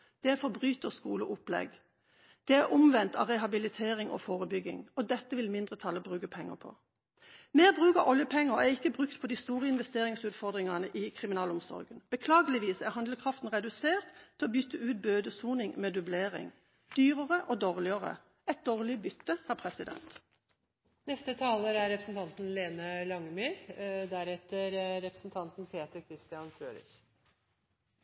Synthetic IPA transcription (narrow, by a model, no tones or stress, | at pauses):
d̪̥ɛæfɔʁbʁyːt̪əʁskuːləʔʊplɛ̰ɡ | d̪̥ɛæʁʔʊmʋɛnt̪ʰɑ̰ːʁɛɦɑbɪlɪt̪ʰeːʁɪŋɔ̰foːʁəbʏɡɪ̰ŋɔd̪ɛt̪ːəʋɪlmɪnd̪ʁət̪ʰɑːləbʁʉːkəpʰɛŋːə̰pʰɔ̰ | meːʁbʁʉːkɑ̰ʔɔljəpʰɛŋːəʁæʁɪkːəbʁʉkt̪pʰɔd̪ɪst̪uːʁəɪnʋɛst̪eːʁɪŋsʉːt̪fɔʁd̪ʁɪŋɑnəʔɪkʰʁɪmɪnɑːlʊmsɔ̰ʁɡənb̥əkʰlɑːɡəlɪʋiːsæʁhɑnd̪ləkʰʁɑft̪n̩ʁɛd̪ʉseːʁt̪t̪ʰːɪlɔbʏt̪ːəʉːt̪̚bøːd̪əsuːnɪŋmeːd̪ʉbleːʁɪ̰ŋ | d̪̥yːʁəʁəʔoːd̪oːʁlɪəʁə̰ | ɛt̪̚d̪oːʁlɪbʏt̪ːəhæːʁpʰʁɛsɪd̪ɛ̰nt̪ | nɛst̪ət̪ʰɑːləɾæɾɾɛpɾəsn̩t̪ʰɑnt̪n̩leːnəlɑŋmyːɾd̪æɾɛt̪əɾɾɛpɾə̥sn̩t̪ʰɑnt̪n̩pʰeːt̪əɾkʰɾɪst̪ɪɑnfɾøːɾɪ̰ç